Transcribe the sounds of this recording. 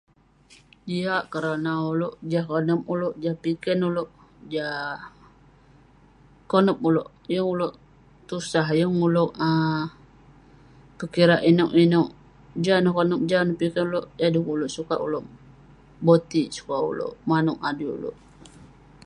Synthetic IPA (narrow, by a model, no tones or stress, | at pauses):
diaʔkəɾanauloʔd͡ʒahkonəmuloʔd͡ʒahpikɛnuloʔ | d͡ʒa | konəmuloʔ | jəŋuloʔ | t̪usaɦjəŋuloʔə | pəkiɾaʔinoʔinoʔ | d͡ʒanəhkonəmd͡ʒanəhpikɛnuloʔjadukuloʔsukaʔṵloʔ | bot̪isu̥kaʔṵlo̰ʔmanuʔadiṵlo̰ʔ